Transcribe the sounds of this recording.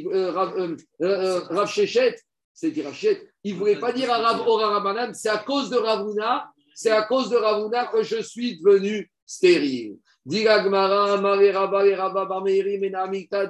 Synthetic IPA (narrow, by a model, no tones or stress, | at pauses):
ʁav | ʁafʃeʃɛt̪ | sɛd̪iʁavʃeʃɛt̪ilvulɛpad̪iʁaʁavɔʁãʁamanamsɛakozd̪əʁavuna | sɛakozd̪əʁavunakəʒəsɥid̪əvəny | st̪eʁil | d̪iɡaɡmaʁɛ̃maʁeʁabaleʁababameʁimɛnaːmilt̪a